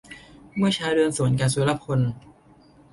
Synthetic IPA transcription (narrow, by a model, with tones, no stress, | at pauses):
mɯ˥˩ɐt͡ɕʰaː˧ɾɯ˧ənsu˩˦nkaː˧nsuː˨˩˦la˧˦˥p̚kʰo˧n